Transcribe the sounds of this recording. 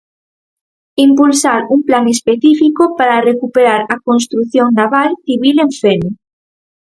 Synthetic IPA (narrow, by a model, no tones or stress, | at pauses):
impulsaɾuŋplaŋespeθifikopaɾarekupeɾaɾakonst̪ɾuθjoŋnaβalθiβileɱfeno